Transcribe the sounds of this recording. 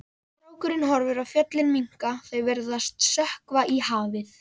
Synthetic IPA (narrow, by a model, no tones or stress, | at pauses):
t̪ɾoːwkʏɾɪnɦɔɾvʏɾafjœt̪lɪnmiŋ̥kaθejvɛɾðast̪sœhkvaʔihaːvɪθ